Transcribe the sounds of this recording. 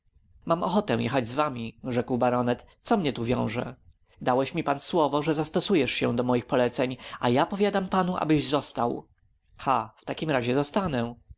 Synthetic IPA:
mamɔ̰xɔt̪ɛw̃jɛ̰xad͡ʑzvamʲiʐɛkwbaɾɔnɛt̪sɔmɲɛt̪uvʲjɔ̰̃w̃ʐɛ̰ | d̪awɛɕmʲipanswɔvɔʐɛzast̪ɔsujɛʂɕɛ̃d̪ɔmɔjixpɔlɛt̪sɛɲajapɔvʲjad̪ampanuʔa̰bɘʑzɔst̪aw | xaft̪akʲimɾaʑɛzɔst̪anɛ

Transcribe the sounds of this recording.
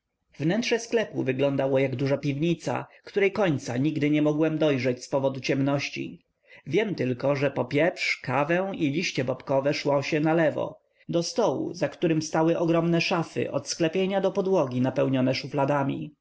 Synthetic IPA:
vnɛntʂɛsklɛpuvɘɡlɔnd̪awɔjaɡd̪uʐapʲivɲit̪sa̰kt̪uɾɛjkɔɲt̪saɲiɡd̪ɘɲɛmɔɡwɛmd̪ɔjʐɛt͡ɕspɔvɔd̪ut͡ɕɛmnɔɕt͡ɕḭ | vʲjɛmt̪ɘlkɔʐɛpɔpʲjɛpʂkavɛwilʲiɕt͡ɕɛbɔpkɔvɛʂwɔ̃ɕɛnalɛvɔ̰ | d̪ɔst̪ɔwṵzakt̪uɾɘmst̪awɘʔɔɡɾɔmnɛʂafɘ̰ʔɔ̰t̪sklɛpʲjeɲad̪ɔpɔd̪wɔɡʲinapɛwɲɔnɛʂuflad̪amʲḭ

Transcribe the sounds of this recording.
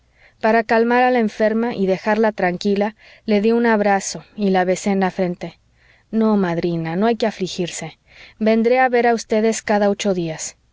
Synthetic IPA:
paɾakalmaɾalaeɱfe̞ɾmaʔiðe̞xaɾlat̪ɾaŋkila | le̞ðjiunaβɾaso̞ilaβe̞se̞ːnlafɾe̞nt̪e̞ | no̞maðɾinano̞ajkeaflixiɾse̞ | be̞nd̪ɾe̞aβe̞ɾaust̪e̞ðe̞skaðao̞t͡ʃo̞ðias

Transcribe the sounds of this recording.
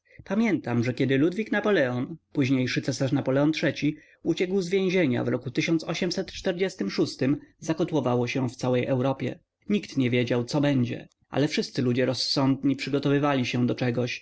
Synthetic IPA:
pamʲjɛnt̪amʐɛkʲɛd̪ɘlud̪vʲiknapɔlɛɔnpuʑɲejʂɘt̪sɛsaʂnapɔlɛɔntʂɛt͡ɕi | ut͡ɕɛkwzvʲjẽʑeɲa̰vɾɔkut̪ɘɕɔ̃nt̪sɔɕɛmsɛt̪t͡ʂt̪ɛɾd͡ʑɛst̪ɘmʂust̪ɘmzakɔt̪wɔvawɔɕɛ̃ft̪sawɛjʔɛwɾɔpʲjɛ̰ | ɲikt̪ɲɛvʲjed͡ʑawt̪sɔbɛɲd͡ʑɛ̰ | ʔa̰lɛfʂɘst̪sɘlud͡ʑɛɾɔsːɔnd̪̚ɲipʂɘɡɔt̪ɔvɘvalʲiɕɛd̪ɔt͡ʂɛɡɔɕ

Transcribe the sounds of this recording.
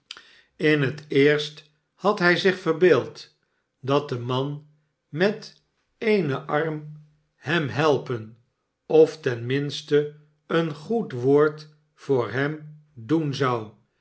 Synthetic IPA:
ɪnɦətɪːɹst | hɑtɦɛjzɪχfərbeːlˠt | dɑt̚dəmɑn | mɛt | ejnəʔɑrm | hɛmɦɛlˠpən | ɔftɛnmɪnstə | ənχutʋoːɹt | fʊːɹɦɛm | dunzɑw

